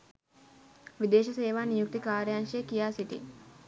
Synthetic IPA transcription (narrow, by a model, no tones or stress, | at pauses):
ʋid̪eːʃɐseːʋaːnijuk̚t̪ikaːɾjaŋʃekijaːsiʈḭ